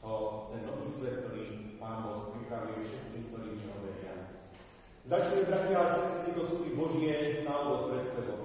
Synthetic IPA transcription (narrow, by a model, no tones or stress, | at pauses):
ɔt̪ɛnːɔʋiːsʋɛt̪̚k̪ɔɾiːpaːnbɔxpɾipɾaʋiɛfʃɛt̪̚kiːmk̚t̪ɔɾiːɲɛɦɔʋɛɾɪa̰ | zat͡ʃɲɛbɾacialɛsɛɛt̪ɛt̪ɛt̪ɔsup̪ibɔʒɪɛnaɔbɔk̪̚pɾɛt̪spɛt̪ɔ